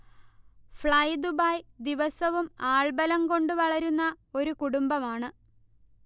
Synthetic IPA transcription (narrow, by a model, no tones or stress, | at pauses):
fɭɐjd̪ubaːjd̪iʋɐsɐʋumaːɭbɐlɐmko̞ɳɖɨʋɐɭɐɾunːɐ | o̞ɾukuɽumbɐmaːɳɨ